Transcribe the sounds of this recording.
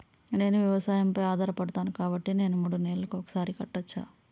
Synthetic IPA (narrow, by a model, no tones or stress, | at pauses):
ne̞ːnuʋjɐʋɐsaːjɐmpɐjaːd̪ʱaːɾɐpɐɽɐt̪aːnukaːbɐʈːine̞ːnumuːɽuneːllɐkuɔkɐ̥saːɾikɐʈːɐt͡ʃːa̰ː